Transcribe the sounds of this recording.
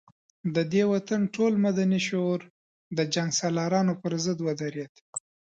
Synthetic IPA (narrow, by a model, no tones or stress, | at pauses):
d̪əd̪ewat̪anʈolmad̪aniʃoɾ | d̪əd͡ʒaŋɡsɑlɑɾɑnopəɾzəd̪wad̪aɾjat̪